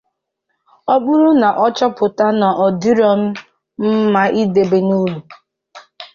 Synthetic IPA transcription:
ɔ˦bʊ˦ɾu˦na˨ʔɔ˦t͡ʃɔ˦pʊ˨ta˦na˨ʔɔ˨di˦ɾɔ˦m̩˦ | m̩˦ma˦ʔi˦de˨be˨nu˦lu˨

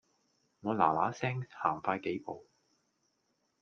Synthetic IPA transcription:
ŋɔː˨˧la̰ː˨˩laː˨˥sɛː˥ŋhaː˨˩ŋfaː˧jke˨˥jpo˨w

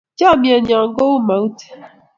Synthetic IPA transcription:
d͡ʒa˦˨mje˨ɲa˨ŋ̩˨ɡo˦u˦ma˨u˦te̥˦

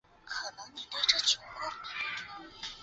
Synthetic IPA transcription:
kʰɤ˨˩nə˧˥ŋni˨˩t̪ə˥ʈ͡ʂə˥˩t͡ɕʰu˧˥ka˥˩˨

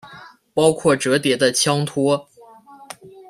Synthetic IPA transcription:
pɑ˥ʊkʰwɔ˥˩ʈ͡ʂɤ˧˥t̪̬jɛ˧˥d̪ə˧t͡ɕʰjɑ˥ŋt̪ʰwɔ˥

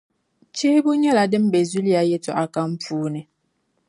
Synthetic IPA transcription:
t͡ʃeː˦bu˦ɲe˦la˨dɪ˦m̩˦be˨zu˦li˦a˨je˦tɔ˨ʔa˨ka˦m̩˦puː˦nɛ˨

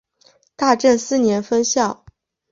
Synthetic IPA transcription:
t̪a˥˧ʈ͡ʂə˥˧nsɹ̩˥˩njɛ˧˥nfə˥nɕjɑ˥˩ʊ

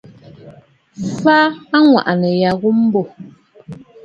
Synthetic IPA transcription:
fa˦a˦ŋwa̰˨ʔa˨nɛ˨ja˨ɣu˦m̩˦bo˦˨

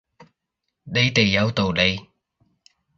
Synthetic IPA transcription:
ɗə˨˧˥jt̪e˨˩ja˨˧wt̪o˨˩wɗə˧j

